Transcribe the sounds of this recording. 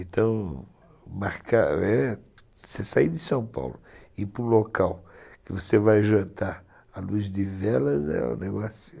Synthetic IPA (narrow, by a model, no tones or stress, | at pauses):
ẽt̪ʰɐ̃w̃ | maɾka̰ɛ | sesaid̪ɪsɐ̃w̃pa̰wlʊɪpɾʊ̃lokawkɪvosevajʒɐ̃nt̪aɾ | aluzd̪ɪvɛlɐzɛ̰ṵ̃neɡɔsjʊ